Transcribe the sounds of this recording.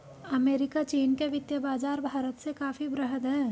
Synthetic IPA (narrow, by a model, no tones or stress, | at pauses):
ɐmeːɾɪkat͡ʃiːnkeʋɪt̪jəbaːd͡ʒaːɾbʱaːɾət̪sekaːfibɾəɦəd̪ɦɛː